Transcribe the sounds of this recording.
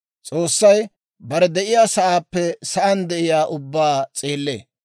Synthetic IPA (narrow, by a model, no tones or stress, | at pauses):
t͡sʼo̞ːsːɐj | bɐɾɛd̪ɛʔɪjaːsɐʔaːpːɛsɐʔɐnd̪ɛʔɪjaːʔʊbːaːt͡sʼeːlːḛː